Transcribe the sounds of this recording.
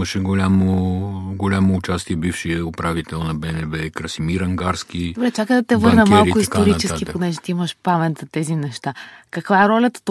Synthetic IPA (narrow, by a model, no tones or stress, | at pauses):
məʃɛɡolʲamoɡolʲamoːt͡ʃast̪iɛbifʃijəʊpɾavit̪ɛlˠnɐbɛnɛbɛkɾɐsimiɾɐŋɡaɾsk̟id̪obɾɛt͡ʃakəd̪ɐt̪ɛvɤɾnəmalˠɾkʊistkoɾit͡ʃɛsk̟iponɛʒɛt̪iiməʃpamɛt̪zɐt̪ɛzinɛʃt̪akɐkvaɛɾɔlʲɐt̪ə̥t̪